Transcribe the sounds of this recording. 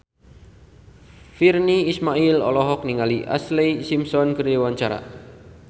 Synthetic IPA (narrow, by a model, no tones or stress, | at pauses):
firniːsmailɔ̰lɔɦɔk̚niŋaliʔa̰slesimsɔnkəɾewaɲt͡ʃaɾa̰